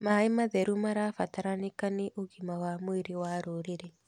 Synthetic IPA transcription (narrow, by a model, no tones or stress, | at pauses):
maemaðɛɾumaɾaːfataɾanekaneʔoɣimawamweɾewaɾoɾeɾe